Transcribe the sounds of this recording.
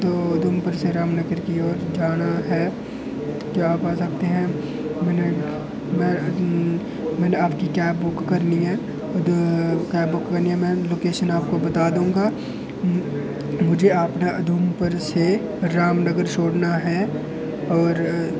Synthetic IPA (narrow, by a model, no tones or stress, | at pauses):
t̪oːɐd̪ʱumpəɾseɾaːmnəɡəɾkiɔːɾd͡ʒaːnaɦɛ | kiaːpaːsɐk̚t̪eɦɛ̃ | mɛ̃ːne | mɛ̃ | mɛ̃ːneaːpkikɛːp̚bʊkːɐɾniɦɛ̃ː | kɛːbʊkːɐɾniɦɛ̃mɛ̃ːloːkeːʃənaːp̚kobɐt̪aːd̪ũːɡa | mʊd͡ʒʱeaːpnaʔɐd̪ʱumpəɾse | ɾaːmnəɡəɾt͡ʃʰoːɽnaɦɛ | ɔːɾ